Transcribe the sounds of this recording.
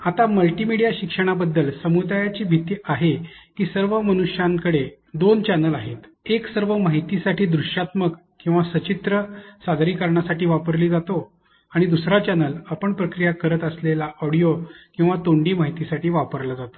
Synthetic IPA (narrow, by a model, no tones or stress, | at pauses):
at̪aməlʈimiɽijaɕikʂəɽ̃abəd̪ːəlsəmud̪ajat͡ɕiːbʱit̪iːʔaɦekiːsəɾʋəmənuʂjãŋkəɽe | d̪ont͡ɕanəlaɦet̪ | eksəɾʋəmaɦit̪isaʈiːd̪ɾuʂjat̪məkːĩw̃ʋasət͡ɕit̪ɾəsad̪ʱɾiːkəɾɳasaʈiːʋapəɾliːd͡zat̪o | aɽ̃id̪usɾat͡ɕanələpəɳpɾəkɾijakəɾət̪əslelaʔɔɽijokĩw̃ʋat̪oɳɖiːmaɦit̪isaʈʰiːʋapəɾlad͡zat̪o̥